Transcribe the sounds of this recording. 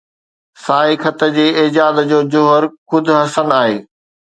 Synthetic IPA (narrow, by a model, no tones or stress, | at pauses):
saːikʰət̪əd͡ʑeːeːd͡ʑaːd̪d͡ʑoːd͡ʑʊɦəɾkʊd̪ʱʊɦɐsənaːɦeː